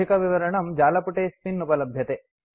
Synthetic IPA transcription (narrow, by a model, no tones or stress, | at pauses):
ikɐʋiʋɐɾɐɳɐmd͡ʒaːlɐpuʈeːsminːupɐlɐbʱjɐt̪e